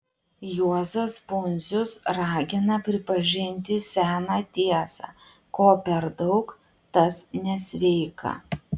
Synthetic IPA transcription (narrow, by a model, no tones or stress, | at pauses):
juɔzɐsbʊnʲzʲʊsɾɑːɡʲɪnɐpʲɾʲɪpɐʒʲɪnʲt̪ʲɪsʲæːnɑːt̪ʲiɛsɑ̰ː | koːpʲɛɾd̪ɒʊk | t̪ɐsnʲɛsʲʋʲɛɪkɐ̰